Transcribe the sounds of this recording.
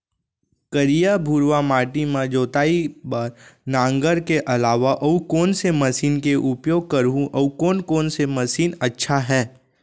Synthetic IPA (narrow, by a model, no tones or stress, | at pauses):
kəɾijabʱuːɾʋamaːʈimãd͡ʒoːt̪aːibaːɾnãːŋɡəɾkeʔɐlaːʋaʔɐukɔːnsemɐsiːnkeʔʊpjoːɡ̚kɐɾũʔɐukoːnkoːnsemɐsiːnɐtːʃʰaɦɛː